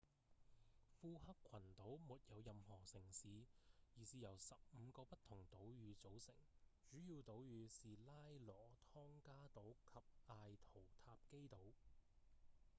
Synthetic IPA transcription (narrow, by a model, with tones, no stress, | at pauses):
fuː˧hɐ˥kʷʰːɐ˨˩nt̪o˨˥wmuː˨t̚jɐ˨˧wjɐ˧mhɔː˨˩sɪ˨˩ŋsiː˨˧jiː˨˩siː˨jɐ˨˩wsɐ˨p̚m̩˨˧kɔː˧pɐ˥t̪ʰʊ˨˩ŋt̪o˨˥wjyː˨˧t͡so˨˥wsɪ̰˨˩ŋt͡ʃyː˨˥jiː˧wt̪o˨˥wjyː˨˧siː˨laː˥jlɔː˨˩t̪ʰɔː˥ŋkaː˥t̪o˨˥wkʰɐ˨p̚aː˧jt̪ʰo˨˩wt̪ʰaː˧p̚ke˥jt̪o˨˥w